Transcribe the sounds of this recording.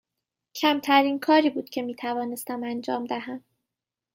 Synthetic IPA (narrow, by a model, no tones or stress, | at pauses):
cʰæmt̪ʰæɾiːnkʰɒːɾiːbuːd̪cʲʰe̞miːt̪ʰævɒːne̞st̪æmænd͡ʒɒːmd̪æɦæm